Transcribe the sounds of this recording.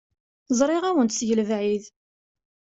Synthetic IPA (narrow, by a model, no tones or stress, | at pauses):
zˤɾˤɪʁæwənt̪sjəlvʕið